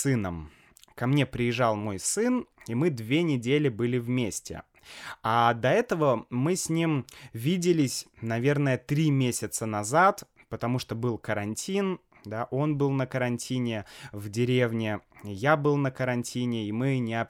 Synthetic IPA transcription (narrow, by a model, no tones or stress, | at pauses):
sɨnəm | kɐmnʲe̞pɾʲɪjɪʐɑlˠmo̞jsɨnimɨd̪vʲenʲɪdʲelʲɪbɨlʲɪvmʲesʲtʲɪ̰ | ad̪ɐɛt̪əvəmɨsʲnʲimvʲidʲɪlʲɪsʲnɐvʲe̞rnəjət̪ɾʲimʲesʲɪt̪sənɐzat̪ | pət̪ɐmuʂt̪obɨlˠkəɾɐnʲtʲʰin | d̪aʔo̞nbɨlˠnəkəɾɐnʲtʲʰinʲɪvdʲɪɾʲe̞vnʲɪjabɨlˠnəkəɾɐnʲtʲinʲɪimɨnʲɪɐ